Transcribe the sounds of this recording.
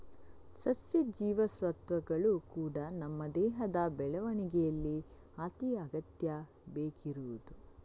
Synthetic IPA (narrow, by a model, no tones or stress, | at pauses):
sɐsjid͡ʒiːʋɐsʋɐt̪ʋɐɡɐɭukuːɽɐnɐmːɐd̪ɛːɦɐd̪ɐbɛɭɐʋɐɳiɡɛjɐlːi | aːt̪ijɐːɡɐt̪jɐ | beːkʰiɾuud̪u